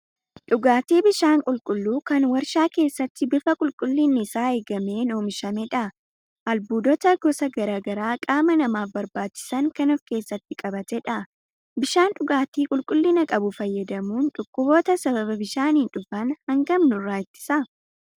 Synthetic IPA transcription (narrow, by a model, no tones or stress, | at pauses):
ᶑʊɡaːt̪iːbɪʃaːŋkʼʊlkʼʊlːuːkɐnwɐɾʃaːke̞ːsːɐt̪ːɪbɪfɐkʼʊlkʼʊlːɪnːɪsaːeːɡɐme̞ːnoːmɪʃɐmɛᶑɐ | ʔɐlbuːd̪ɔt̪ɐɡɔsɐɡɐɾaːɡɐɾaːkʼaːmɐnɐmaːfbɐɾbaːt͡ʃːɪ̥sɐŋkɐnɔfke̞ːsːɐt̪ːɪkʼɐbɐt̪ɛᶑɐ | bɪʃaːnᶑʊɡaːt̪iːkʼʊlkʼʊlːɪnɐkʼɐbʊfɐjːɐd̪ɐmuːnᶑʊkʼːʊboːt̪ɐsɐbɐβɐbɪʃaːninᶑʊfɐnhɐŋɡɐmnʊrːaːjɪt̪ːɪ̥sɐ